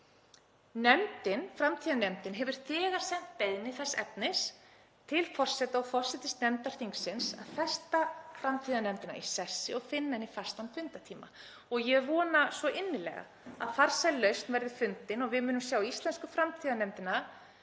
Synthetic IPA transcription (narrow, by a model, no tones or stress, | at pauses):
nɛmt̪ɪnfɾamt̪ʰiːðanɛmt̪ɪnɦɛvʏɾ̥θɛːɣaɾ̥sɛm̥t̪̚peðnɪθɛsːɛpnɪs | t̪ʰɪlfɔr̥sɛt̪aɔɣfɔr̥sɛt̪ɪst̪nɛmt̪aɾ̥θiŋksɪnsa̰ðθɛst̪afɾamt̪ʰiːðanɛmt̪ɪna̰isɛsːɪɔɣfɪnːaɪnifar̥st̪anfʏnt̪at̪ʰiːma̰ | ɔɣjɛvɔːnasvɔʔɪnːɪlɛ̰ːɣa̰ | a̰ðfaɾ̥sajlœɥst̪nvɛɾðɪfʏnt̪ɪnɔɣvɪðmʏːnʏmsjaːwist̪lɛnskʏfɾamt̪ʰiːðanɛmt̪ɪna